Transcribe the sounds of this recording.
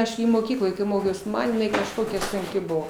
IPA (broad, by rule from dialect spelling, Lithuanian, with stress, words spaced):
ˈɐʃ ɡʲɪ moːˈkʲiːklˠoːj ˈmoːkʲɛʊs ˈmɐn jɪˈnɐɪ kɐʃˈkoːkʲɛ sʊŋʲˈkʲɪ ˈbʊʋoː